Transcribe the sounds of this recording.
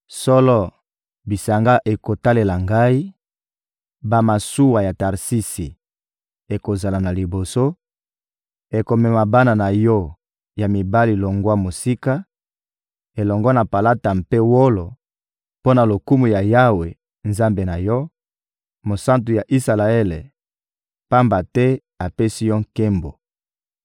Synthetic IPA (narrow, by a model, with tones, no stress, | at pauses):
sɔ˦lɔ˦˨ | bi˨sa˨ŋɡa˦ʔe˨ko˨ta˦le˨la˨ŋɡa˦i˦ | ba˦ma˨su˦wa˨ja˨ta˨ʁsi˦si˨ | e˨ko˨za˨la˨na˨li˨bo˨so˦ | e˨ko˨mɛ˨ma˨ba˦na˨na˨jɔ˦ | ja˨mi˨ba˦li˨lo˨ŋɡwa˦mo˨si˦ka˦ | e˨lɔ˨ŋɡɔ˦na˨pa˨la˦ta˨mpe˦wo˦lo˨ | po˦na˨lo˨ku˦mu˨ja˨ja˦we˨ | nza˦mbe˨na˨jɔ˦ | mo˨sa˦ntu˨ja˨ʔi˦sa˨la˨e˦le˨ | pa˦mba˨tɛ˦ | a˨pe˦si˦jɔ˦ŋke˦mbo˨